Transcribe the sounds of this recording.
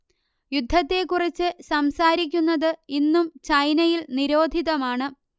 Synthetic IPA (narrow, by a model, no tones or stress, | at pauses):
jud̪ʱːɐt̪ːe̞kːurit͡ɕːɨsɐmsaːɾik̬ʲːunːɐðɨinːumt͡ɕɐjnɐjilniɾo̞ːd̪ʱiðɐmaːɳɨ